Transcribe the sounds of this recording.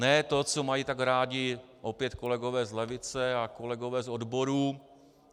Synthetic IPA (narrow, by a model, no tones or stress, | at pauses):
nɛt̪o̞t͡so̞majiːt̪aɡɾaːɟɪ | ʔopjɛt̪ko̞lɛɡo̞vɛːzlɛvɪt͡sɛakolɛɡo̞vɛːzodbo̞ɾuː